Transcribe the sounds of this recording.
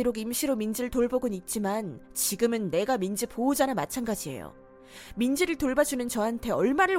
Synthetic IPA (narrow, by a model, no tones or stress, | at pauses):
iɾoɡimɕʰiɾomind͡ʑiɾɯɭtoɭboɡɯnit̚t͡ɕ͈imant͡ɕiɡɯmɯnːe̞ɡamind͡ʑipoud͡ʑanamat͡ɕʰanɡad͡ʑie̞̰jo̰ | mind͡ʑiɾɯɭtoɭbad͡ʑunɯnt͡ɕʌɦantʰe̞ʌɭmaɾɯɭ